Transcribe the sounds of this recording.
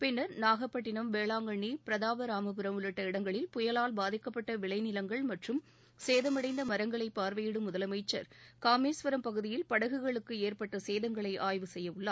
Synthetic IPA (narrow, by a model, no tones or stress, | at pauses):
pɪnːɐɾnaːɣɐpːɐʈ̬ːɪnɐmʋeːɭaːŋɡɐɳipɪɾɐðaːʋɐɾaːmɐpɯɾɐmʊlɐʈːɐɪɽɐŋɡɐɭɪlpʊjɐlaːlbaːðɪkːɐpːɐʈːɐʋɪɭɐɪnɪlɐŋɡɐɭmɐʈrɯm | seːðɐmɐɽɐɪnd̪ɐmɐɾɐŋɡɐɭɐɪpːaːɾʋɐjɪɽɯmʊðɐlɐmɐɪt͡ʃːɐ̰ɾkaːmeːsʋɐɾɐmpɐɣɯðɪjɪlpɐɽɐɣɯɣɐɭɯkːɯeːɾpɐʈːɐseːðɐŋɡɐɭɐɪʔaːjʋɯsɛjːɐʋɯɭːaː